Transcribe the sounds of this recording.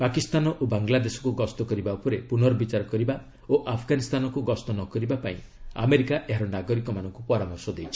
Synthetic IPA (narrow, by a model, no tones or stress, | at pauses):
pakist̪anɔʔobaŋɡlad̪esɔ̥kuɡɔst̪ɔkɔɾibaupɔɾepunɔɾɔbit͡ʃaɾɔkɔɾiba | oʔapʰɡanist̪ʰanɔkuɡɔst̪ɔnɔkɔɾibapaĩ | a̰meɾikaʔeɦaɾɔnaɡɔɾikɔmanɔŋkupɔɾamɔɾsɔd̪ejt͡ʃʰi̥